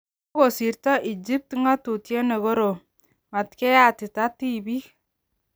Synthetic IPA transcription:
o˦ko˨si˨ɾtɔ˦ʔi˨d͡ʒi˦p̚tŋa˦tu˨tje˦ne˨ɡo˦ɾo˨ | ma˨tkɛ˦ja˦˨tɪ˨ta˦ti˦bi˦

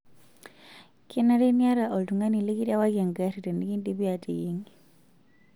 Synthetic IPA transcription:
ki˦na˦ɾe˦nja˦ɾa˨ʔɔ˨ltu˨ŋa˦ni˨li˦ki˦ta˦wa˦kja˨ŋɡa˦ɾi˨ɾɛ˨ni˦ki˦ndi˦bi˦a˨ti˨ji˦ŋi

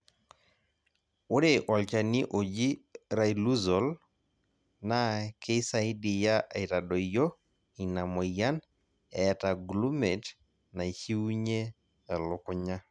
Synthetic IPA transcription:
o˦ɾe˨ʔwɔ˨lt͡ʃa˨ni˦ʔo˨d͡ʒi˦ɾa˨ilu˦zɔ˨l | na˦ke˦sa˨i˦di˨ja˦ʔi˨ɾa˨ɗɔ˨jɔ˦ | i˨na˨mɔ˨ja˦n | ɛ˨ta˨ɡlu˦mɛ˨t | na˨hi˦u˦ɲe˦ | ɛ˨lʊ˨kʊ˦ɲa˦

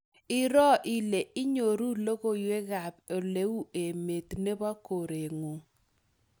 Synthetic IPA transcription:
ɪ˨ɾɔ˦ʔɪ˨le˨ɪ˦ɲo˨ɾu˦lo˦ɣo˦jwe˦ɣa˨po˨le˨˦u˦ʔe˨me˨t̪ne˦ba˦ko˨ɾe˨ŋo˨

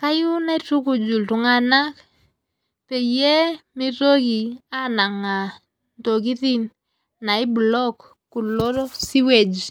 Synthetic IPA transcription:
ka˦ju˦na˦tu˦ku˨d͡ʒu˨ltu˨ŋa˦na˦k | pe˨jɛ˦mi˦to˦ki˨a˦na˨ŋa˨ | nto˨k̬i˦ti˦n | na˨i˦blɔ˦kː | u˨lɔ˦ɾsi˦we˨d͡ʒ

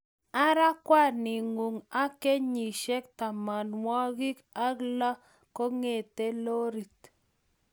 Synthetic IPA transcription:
a˦ɾa˦kwa˦nɪ˨ŋu˨ŋa˦ke˦ɲi˨ʃe˦k̚t̪a˨ma˨nwɔ˦ɣi˦ka˦ɡla˦ | ko˦ŋe˦˨t̪e˦lo˦ɾi˨t̪

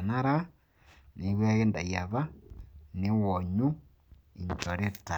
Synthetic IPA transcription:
na˦ɾa˦ | ni˨˦ɣwe˦ɣe˦nda̰˨ja˨βa˦ne˦wɔ˨ɲu˦ | i˨ɲt͡ʃɔ˨ɾe˦ta˨

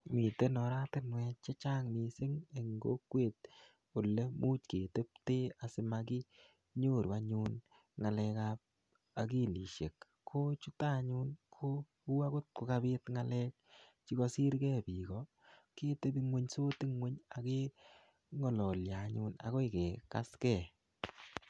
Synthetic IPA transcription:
mi˨te˦nɔ˨ɾa˦tɪ˦nwɛ˧t͡ʃe˦t͡ʃaː˦ŋmi˨sɪ˦ŋe˨ŋɡo̰˦kwe˦t̚ | o˨le˦mu˦t͡ʃke˨te˦p̚teː˦a˨sɪ˦maki˦ | ɲo˦˨ɾwa˦ɲu˦n | ŋa˨lɛ˧kap̚ | a˨k̬i˦˨li˨ʃe˨kːʰ | o˦t͡ʃu˦ta˦ɲu˦nkʰo˦ | u˦a˦ko˦t̚kʊ˨ka˦bɪ˦tŋa˦lɛ˦k̚t͡ʃi˦kɔ˦si˦ɾkɛ˦pi˨kɔ˨ | ke˦te˦bi˦ŋwe˦ɲso˦ti˦ŋwe˦ɲa˨ke˦ | ŋɔ˨lɔ˨lja˨ɲʊ˧na̰˨kɔ˦ɪ˨ke˨ka̰˦skɛ˨

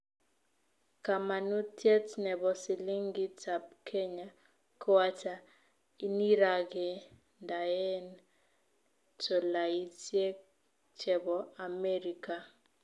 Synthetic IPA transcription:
ka˨ma˨nu˦tʰjɛ˦tnɛ˨βɔ˨si˨li˦ŋɡi˦tʰabkʰɛ˦ɲa | kʰɔ˦wa˦ta˨ | i˦ni˦ɾa˨kɛ˨ | nda˨ɛ˦n | tɔ˨la˨i˦tɛ˦ | t͡ʃʰɛ˨βɔa˨mɛ˦ɾi˨ka˨

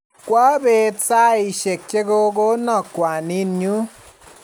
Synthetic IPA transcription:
kwa˦be˧t͡sa˦i˧ʃe˨k̚t͡ʃe˦ɡo˧ɡo˦nɔ˦˨kwʷa˨ni˦nɲu˦

